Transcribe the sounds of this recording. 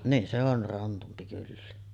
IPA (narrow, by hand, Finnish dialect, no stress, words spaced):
niːn se or rɑntumpi kylːæ